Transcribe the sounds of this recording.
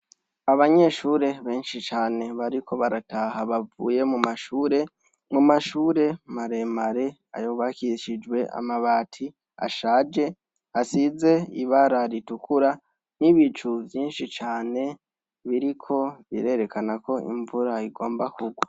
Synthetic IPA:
aβaɲe̞ʃuːɾe̞βe̞ːnʃit͡ʃaːne̞βaɾikʰo̞βaɾatʰahaβavṵːje̞mumaʃuːɾe̞ | mumaʃuːɾe̞maɾe̞ːmaɾe̞ | a̰joːβakiʃid͡ʒwe̞ʔa̰maβaːtʰi | a̰ʃaːd͡ʒe̞ | asize̞iβaɾaɾitukuɾa | niβit͡ʃuvjiːnʃit͡ʃaːne̞ | βiɾikʰo̞βḭɾe̞ɾe̞kʰanakʰo̞ḭɱvuɾaiɡo̞ːmbakʰuɡwa

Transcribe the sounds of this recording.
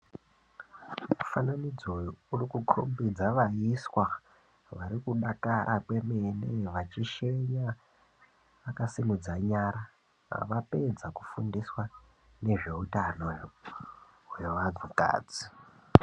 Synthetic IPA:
mufananid͡zourikukʰo̰mbid͡zaʋaiswa | ʋaɾikuɗakaɾʔakwe̞meneʋat͡ʃiʃeɲa | ʋakasimud͡zaɲaːɾa̰ | ʋape̞d͡zaku̥fundiswa | ne̞ʐe̞ɦutano | ɦeʋad͡zuka̰ːd͡zi̥

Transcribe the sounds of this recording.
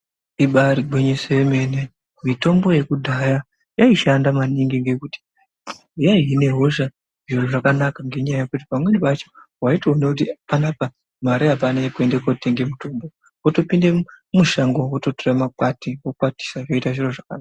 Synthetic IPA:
iɓariɡweɲesejeme̞ne | mito̞mbo̞je̞kudʱaja | jaiʃandamaniŋɡiŋɡe̞kuti̥ | jaine̞ɦo̞ʃa | ʐ̥iro̞ʐakanakaŋɡe̞ɲajajekut̬ipamwe̞niʋat͡ʃo̥ɦwaitoonekutipanapa | maɾeapanekue̞ndekote̞ŋɡe̞mutombo̞ | oto̞pinde | muʃaŋɡo̞woto̞toramak͡patiwokwati̥saʐoitaʐiro̞ʐakanaa

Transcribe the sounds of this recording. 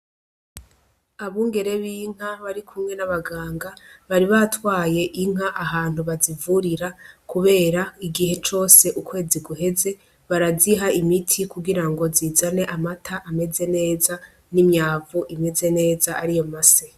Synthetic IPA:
aβuːŋɡe̞ɾe̞βiːŋ̥aβaɾikʰumŋe̞naβaɡaːŋɡaβaɾiβatwaːje̞ʔiŋ̥aʔaɦaːn̥uβazivuɾiɾakuβe̞ːɾaiɡihe̞t͡ʃo̞ːse̞ʔukwe̞ːziɡuɦe̞ze̞ | βaɾaziɦaimitʰikuɡiɾaŋɡo̞ziːzane̞ʔamatʰaʔame̞ze̞ne̞ːza | nimɲaːvuʔime̞ze̞ne̞ːzaaɾijo̞mase

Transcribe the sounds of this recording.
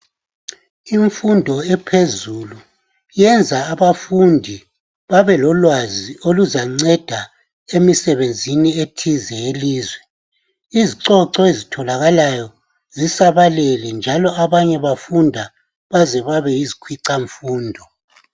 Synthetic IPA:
iɱfundʱɔɛpʰezulu | jɛnd͡zʱaːβafundʱi | βaβɛlɔlwazioluzaŋ͡ǀɛd̥ʱa | emisɛβend͡zʱinietʰizɛeliːzwɛ | iziǀɔǀɔezitʰɔlaɣalajɔ | zisaβalɛlɛnd͡ʒʱalɔaβaɲɛβafundʱa | βazɛβaβɛjizikʰwiǀaɱfuːndʱɔ

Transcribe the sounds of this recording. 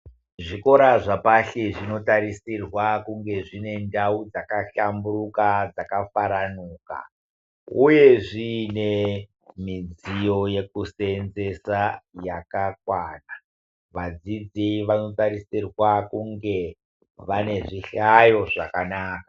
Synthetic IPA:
ʐiko̞ɾaʐapaɬeʐino̞taɾisirwakuŋɡe̞ʐine̞ndaud͡zakaɬamburukad͡zakafaɾanuːka̰ | uje̞ʐiːne | mid͡zijo̞je̞kusenze̞sajakakwaːna | ʋad͡zid͡ziʋano̞taɾisirwakuŋɡe̞ | ʋane̞ʐiɬajo̞ʐakanaːkḁ

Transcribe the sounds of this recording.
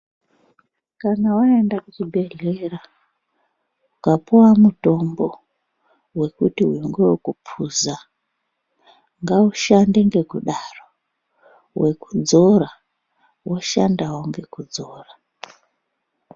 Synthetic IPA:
kanawaendakut͡ʃibʱe̞ɮera | ukapuwamuto̞mbo̞ | we̞kutiɦwiŋɡewokupʰuza | ŋɡauʃande̞ŋɡe̞kuɗaro | wʔe̞kud͡zo̞ra | woʃa̰ndawoŋɡe̞kud͡zoːra

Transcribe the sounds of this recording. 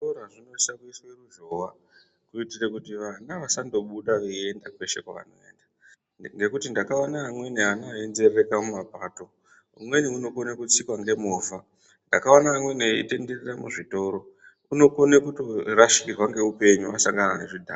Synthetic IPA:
oraʐino̞isakuisweruʒoʋa | kuitirekutiʋanaʋasando̞ɓuɗaʋee̞ndakwe̞ʃe̞̰kwa̰ʋa̰no̞̰e̞̰ːnda | ŋɡe̞kutindakaanaːmwe̞neanoaenze̞rrekamumapaːto̞ | ṵmwe̞niuno̞konekut͡sikwaŋɡe̞moːva | ndakaanaːmweneḭte̞nde̞reramuʐito̞ɾo̞ | uno̞ko̞nekutoraʃikirwaŋɡe̞upe̞ɲuʋasaŋɡananḛʐidʱa̰ː

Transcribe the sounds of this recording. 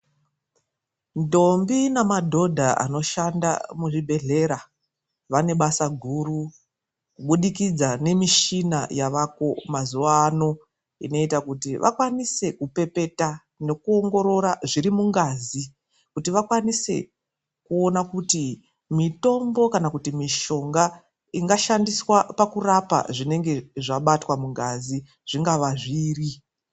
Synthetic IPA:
ndo̞mbinamadʱo̞dʱaa̰no̞ʃanda̰muʐibʱe̞ɮe̞ɾa | ʋane̞ɓasaɡʱuru | kuɓuɗikid͡zane̞miʃina̰jaʋako̞mazuʋaːno̞ | ḭno̞itakutiʋʔa̰kwanise̞kupe̞pe̞ta | ne̞kuo̞ŋɡo̞ɾo̞ɾaʐiɾimuŋɡaːzi | kutiʋakwanise̞̰ | kuo̞nakuti | mito̞mbo̞kanakutimiʃo̞ŋɡa | iŋɡaʃandiswapakurapa̰ʐine̞ŋɡe̞ʐaɓatwamuŋɡazi | ʐ̥iŋɡaʋaʐiːri

